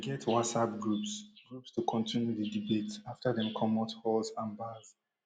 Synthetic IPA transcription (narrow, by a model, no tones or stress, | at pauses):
ɡɛtʰwɔsap̚ɡɹupsɡ̥ɹupstukʰɔ̃ntʰĩnjudidibetaftʰəðɛ̃mkʰɔmɔthɔlzãnbaz̥